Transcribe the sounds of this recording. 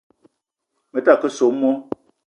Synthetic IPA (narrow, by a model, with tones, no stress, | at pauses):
mə˨ta˦˨kə˦so˨m̩˦mɔ˦